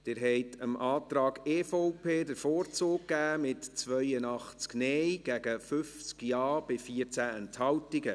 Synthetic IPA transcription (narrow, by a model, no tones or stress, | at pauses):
d̥ɪːɾɦɛɪtʰəmʔɑːt̪ɾɑːɡeːfoʊpʰeːdəɾfoːɾt͡soːkkːæːmɪtt͡sʋœjənɑχt͡sknɛjɡ̥æɡəfʏft͡skjɑːb̥ɪfiəɾt͡sæɛnthɑwtɪɡə